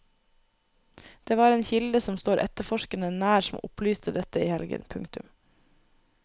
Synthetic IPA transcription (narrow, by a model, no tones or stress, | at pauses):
d̪̥eːʋɑːɾeːnçɪld̪əsɔmst̪oːɾʔɛ̰t̪əfɔʃkənənæːɾsɔmʊ̰plyːst̪əd̪ɛt̪əiːhɛlɡə̰npʰʉŋkt̪ʉm